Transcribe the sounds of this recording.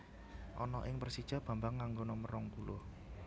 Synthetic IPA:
ʔɔnɔʔɪŋpərsid̥ʒ̥a̤b̥ä̤mbaŋːaŋɡonɔməɾɔŋpulʊh

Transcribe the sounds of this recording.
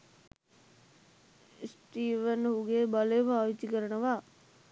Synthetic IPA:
sʈiːʋənɦuɡeːbalejpaːʋit͡ʃikəɾənəʋaː

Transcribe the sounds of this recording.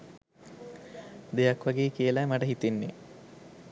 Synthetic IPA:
d̪ejakʋaɡeːkijəlamaʈəɦit̪inːe

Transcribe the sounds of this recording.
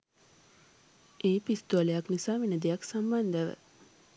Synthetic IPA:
ʔeːpist̪oalejaknisaːʋinəd̪ejaksamband̪əʋə̰

